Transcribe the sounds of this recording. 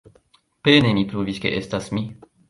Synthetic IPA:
penemipɾuviske̞ʔestasmi

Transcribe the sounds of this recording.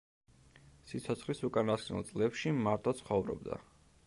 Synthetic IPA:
sit̪sʰɔt̪sʰχlisukʼanasknṵlˠt̪sʼlɛpʃimaɾt̪ʰɔt̪sʰχɔvɾɔ̰b̚d̪a̰

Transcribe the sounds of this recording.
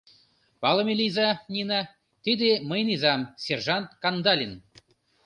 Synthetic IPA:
pɑlˠɤ̆mʲelʲijzɑnʲinɑ | t̪ʲid̪ʲeməjnizɑmsʲerʐɑnt̪kɑnd̪ɑlʲin

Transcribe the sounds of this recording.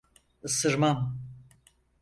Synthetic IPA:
ɯsɯɾmam

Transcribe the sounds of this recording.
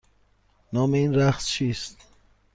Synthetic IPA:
nɔːmeiːnɾæχst͡ʃʰist̪̚

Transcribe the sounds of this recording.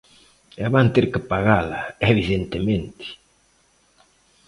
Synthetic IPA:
ɛβant̪eɾkəpaɣalaeβiðent̪emẽnt̪i̥

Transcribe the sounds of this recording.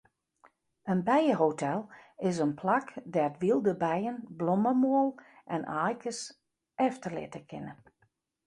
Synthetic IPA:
ənbɛjəɦotʰɛlˠɪs̬ənpʰlakdɛtʋilˠdəbɛjənbloməmoəlˠʔɛnʔaːjkəs | ɛftərlɪ̰təkʰɪnə

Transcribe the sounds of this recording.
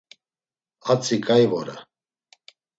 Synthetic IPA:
at͡sʰʼikʼajvɔɾɛ̰

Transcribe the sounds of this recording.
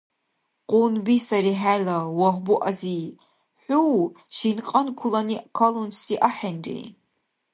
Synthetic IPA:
qʷʼʊnbiːsɐɾiːħaːlɐwɐxʷbuʔɐziː | ħʷuw | ʃinqʼɐnkʷʰʊlɐniːʔkʰɐlunsiːʔɐħɐnrḭː

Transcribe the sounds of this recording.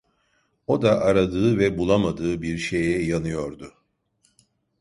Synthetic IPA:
o̞d̪aʔaɾad̪ɯːvɛbulˠamad̪ɯːbiɾʃe̞jɛjanɯjo̞ɾd̪ʊ

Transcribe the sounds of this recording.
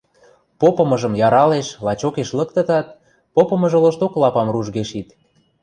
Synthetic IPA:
popɤ̆mɤ̆ʒə̆mjɑɾɑleʃlɑt͡ɕokeʃlə̆kt̪ə̆t̪ɑt̪̚ | popɤ̆mə̆ʒə̆ləʃt̪oklɑpɑmruʒɣeʃit̪

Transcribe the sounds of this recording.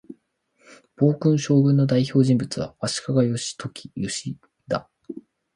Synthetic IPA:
b̥o̞ːkɯ̟̃ɰ̃ɕo̞ːɡɯ̟nːo̞d̪aiçʲo̞ːʑĩmbɯ̟t͡sɨβ̞a̰βaɕi̥kaɡajo̞ɕi̥t̪ʰo̞kʲʰi̥jo̞ɕi | d̪a

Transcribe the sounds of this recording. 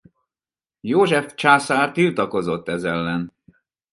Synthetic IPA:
joːʒɛft͡ʃaːsaːrt̪ilt̪ɒko̞zo̞t̪ːɛzɛlːɛn

